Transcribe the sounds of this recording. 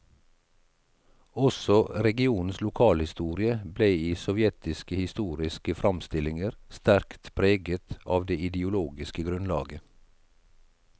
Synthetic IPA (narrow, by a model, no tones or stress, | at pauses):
ɔsɔɾɛɡɪuːn̩slʊkʰɑːlhɪst̪uːɾɪəbleːiːsɔʋjɛt̪ɪskəhɪst̪uːɾɪskəfɾʔɑmst̪ɪlɪŋəɾst̪æɾkt̪pʰɾeːɡət̪ʔɑːʋd̪eːɪd̪ɪʊloːɡɪskəɡɾʉnlɑ̰ːɡə